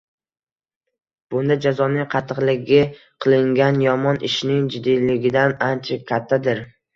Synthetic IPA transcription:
b̥ʊnd̪ad͡ʒazɒnɪŋqʰɑt̪ʰːɨqlˠɪɡʲɪ | qʰɨlˠɪŋɡʲanjɒmɒnɪʃnɪŋd͡ʒɪd̪ːijlɪɡʲɪd̪anant͡ʃʰakʲʰat̪ʰːad̪ɪɾ

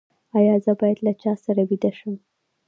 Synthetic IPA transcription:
ɑjɑzəbɑjad̪lat͡ʃɑsaɾabid̪aʃəm

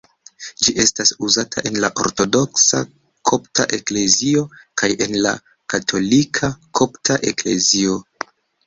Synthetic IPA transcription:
d͡ʒiʔe̞stasuzatʰaʔe̞nlaʔo̞̰ɾto̞do̞ksa̰ | kʰo̞pta̰ʔe̞kle̞zio̞kaje̞nla̰ | katʰo̞likʰakʰo̞ptʰaʔe̞kle̞̰zio̞

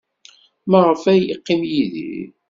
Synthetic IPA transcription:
məʁˤəfæjiqːimjiðḭ

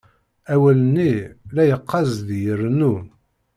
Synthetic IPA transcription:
æwælənːilæjəqːɑzðjərnu

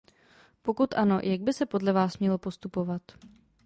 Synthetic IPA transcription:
po̞kut̪ʔano̰jʔaɡ̚bɪsɛpo̞dlɛvaːsmɲɛlo̞po̞st̪upo̞vat̪

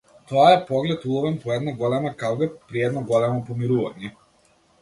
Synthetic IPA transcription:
t̪ɔaɛpɔɡlɛt̪ulˠɔvɛnpɔɛd̪naɡɔlɛmakaɡɛpɾiɛd̪nɔɡɔlɛmɔpɔmiɾuva̰ɲɛ

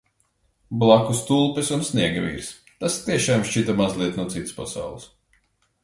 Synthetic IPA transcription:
blˠakust̪ulˠpɛsunsniɛɡavʲḭːɾs | t̪ast̪iɛʃaːmʃt͡ʃit̪amazlˠiɛt̪nuɔt̪sit̪ɨ̥spasa̰wlˠis

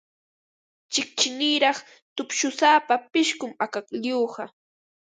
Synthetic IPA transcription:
t͡ʃɪk̚t͡ʃɪniːɾɑχ | t̪ʊpʃʊsaːpapɪʃkʊmakakʎuɢɑ

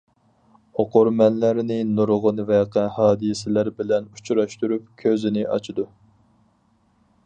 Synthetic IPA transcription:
oqoɾmɛnlæɾnɪnuɾʁʊnvɛqʰɛhɑːd̪ɨsɪlæɾbɪlɛnut͡ʃʰɾɑʃt̪uɾup̚kʲʰøzɪnɪʔɑ̰t͡ʃʰɨd̪u

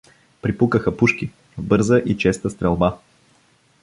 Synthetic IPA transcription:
pɾipukəxəpuʃki | vbɤɾzəʔit͡ʃɛst̪əst̪ɾɛlˠba

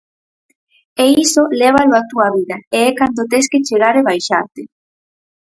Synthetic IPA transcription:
eisoleβ̞aloat̪uaβiðaeɛkand̪ot̪̬esket͡ʃeɾaɾeβajʃa̰ɾt̪e

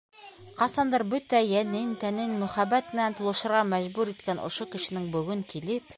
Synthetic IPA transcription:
qɑsɑnd̪ɑɾbɵt̪æjænɘnt̪ænɘnmɵ̆χæbæt̪ɘ̆nænt̪ŏlˠɤ̆ʃɤ̆ɾʁɑmæʑbʉɾit̪kænʔŏ̰ʃokɘ̆ʃɘ̆nɘŋbɵ̆ɡɵŋkilɘp

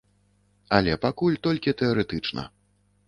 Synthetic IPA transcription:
ɐlʲɛpakulʲt̪ɔlʲkʲit̪ɛaɾɛt̪ɨt͡ʂnɐ̰

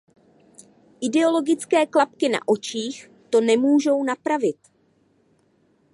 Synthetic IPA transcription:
ʔɪdɛo̞lo̞ɡɪt͡skɛːklap̚kɪna̰ʔo̞t͡ʃiːx | t̪o̞nɛmuːʒo̞wnapɾavɪt̪

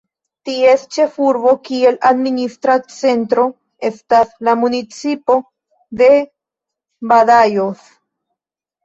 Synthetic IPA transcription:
tie̞st͡ʃe̞fuɾbo̞kie̞lad̪ministɾat͡se̞ntɾo̞ | e̞staslamunit͡sipo̞ | d̪e̞ | badajos

